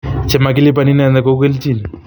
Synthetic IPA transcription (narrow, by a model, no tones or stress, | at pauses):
t͡ʃemakilip̬aninɛnd̪akokelt͡ʃini